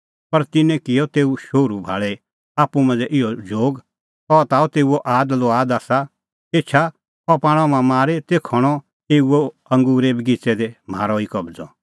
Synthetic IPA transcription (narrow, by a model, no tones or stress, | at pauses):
pɐɾt̪ɪnɛ̃kɪjɔt̪eːuʃoːɾubʱa̰ːɭɛ | aːpumɐ̃nd͡zɛʔɪɔd͡ʒʱoːɡ | ɔt̪aːut̪eːuɔʔaːd̪loaːd̪aːsa | eːt͡ʃʰa | ɔpãːɽ̃ɔ̃mãmaːɾet̪eːkʰɔɽ̃ɔ | eːuo | ɐ̃ŋɡuːɾebɡɪt͡sɛd̪ɛma̰ːɾɔikɐbd͡zɔ̰